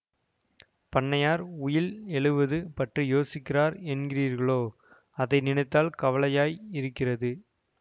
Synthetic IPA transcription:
pɐɳːɐjaːɾʊjɪlɛɭɯʋɐðɯpɐʈrɯjoːsɪkːɪraːɾɛnɡɪriːɾɣɐɭoː | ɐðɐɪnɪnɐɪt̪ːaːlkɐʋɐɭɐjaːjɪɾɯkːɪrɐðɯ

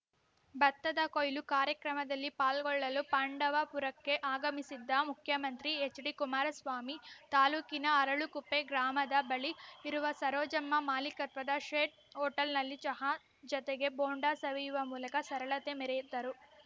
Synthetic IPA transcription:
bɐt̪ːɐd̪ɐkojlukaːɾjɐkɾɐmɐd̪ɐlːipaːlɡɔɭːɐlupɐɳɖɐʋɐpuɾɐkːe̞ʔaːɡɐmisid̪ːɐmukʰjɐmɐnt̪ɾiet͡ʃːɽikumaːɾɐsʋaːmit̪aːluːkinɐɐɾɐɭukupːeɡɾaːmɐd̪ɐbɐɭiːɾuʋɐsɐɾɔːd͡ʒɐmːɐmaːlikɐt̪ʋɐd̪ɐʂeːʈ̚ɦɔːʈɐlnɐlːit͡ʃɐɦa | d͡ʒɔt̪eɡe̞boːɳɖaːsɐʋijuʋɐmuːlɐkɐsɐɾɐɭɐt̪e̞mɛɾɛjid̪ɐɾu

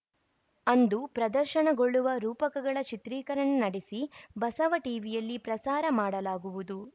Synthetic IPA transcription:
ɐnd̪upɾɐd̪ɐɾʃɐɳɐɡo̞ɭːuʋɐɾuːpɐkɐɡɐɭɐt͡ʃit̪ɾiːkɐɾɐɳɐnɐɽesibɐsɐʋɐʈiːʋijɐlːipɾɐsaːɾɐmaːɽɐlaːɡuʋud̪u

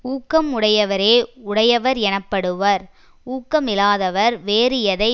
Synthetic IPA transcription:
uːkːɐmʊɽɐjɐʋɐɾeːʊɽɐjɐʋɐɾɛnɐpːɐɽɯʋɐɾ | uːkːɐmɪlaːðɐʋɐɾʋeːɾɪjɐðɐɪ

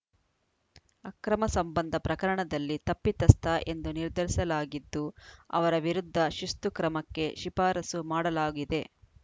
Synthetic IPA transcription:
ɐkɾɐmɐsɐmbɐnd̪ʱɐpɾɐkɐɾɐɳɐd̪ɐlːit̪ɐpːit̪ɐst̪ʰɐʔe̞nd̪uniɾd̪ʱɐɾisɐlaːɡid̪ːuɐ̰ʋɐɾɐʋiɾud̪ʱːɐʃust̪ukɾɐmɐkːe̞ʃipaːɾɐsumaːɽɐlaːɡid̪e̞

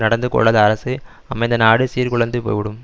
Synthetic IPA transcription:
nɐɽɐnd̪ɯkɔ̰ɭːaːðɐɐɾɐsɯ | ɐmɐɪnd̪ɐnaːɽɯsiːɾkʊɭɐnd̪ɯpo̰ːjʋɪɽɯm

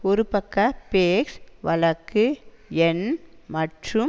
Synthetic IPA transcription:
ɔɾɯpɐkːɐpeːksʋɐlɐkːɯɛnmɐʈrɯm

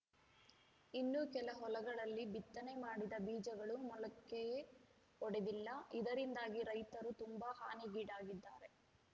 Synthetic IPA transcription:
inːukɛlɐɦɔlɐɡɐɭɐlːibit̪ːɐnemaːɽid̪ɐbiːd͡ʒɐɡɐɭumɔlɐkːeje | ɔɽed̪ilːɐid̪ɐɾind̪aːɡiɾɐjt̪ɐɾut̪umbaha̰ːniɡiːɖaːɡid̪ːaːɾe̞

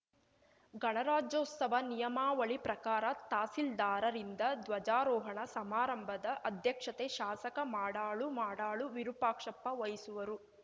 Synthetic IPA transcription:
ɡɐɳɐɾaːd͡ʒɐut̪sɐʋɐnijɐmaːʋɐɭipɾɐkaːɾɐt̪aːsild̪aːɾɐɾind̪ɐd̪ʋɐd͡ʒaːɾɔːɦɐɳɐsɐmaːɾɐmbʱɐd̪ɐʔɐd̪ʱjɐkʂɐt̪eʃaːsɐkɐmaːɽaːɭumaːɽaːɭuʋiɾupaːkʂɐpːɐʋɐjisuʋɐɾu

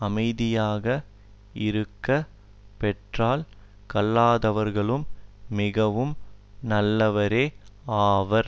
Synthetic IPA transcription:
ɐmɐɪðɪjaːɣɐ | ɪɾɯkːɐ | pɛʈraːl | kɐlːaːðɐʋɐɾɣɐɭɯmːɪɣɐʋɯmnɐlːɐʋɐɾeːaːʋɐɾ

